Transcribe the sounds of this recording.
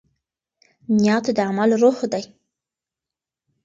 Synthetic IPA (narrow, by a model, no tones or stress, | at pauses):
njɑt̪d̪əamalɾoxd̪aj